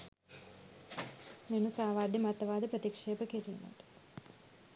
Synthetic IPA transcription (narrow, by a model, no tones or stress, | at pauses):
menusaːʋaːd̪jimɐt̪ːɐʋaːd̪ɐpɾɐt̪ikʂeːpɐkeɾijṵnɐ̰ʈ